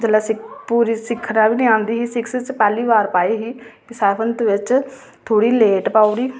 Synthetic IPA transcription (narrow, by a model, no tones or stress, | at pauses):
d͡ʒəlaːsɪpuːɾiːsɪkʰːnaːʋiːnĩːãːnd̪iːɦiːsɪkst͡ʃpɛːliːʋaːɾpaːiːɦiːkɪsɛːbʰənt̪ʋɪt͡ʃ | t̪ʰoːɽiːleːʈpaːuɽiː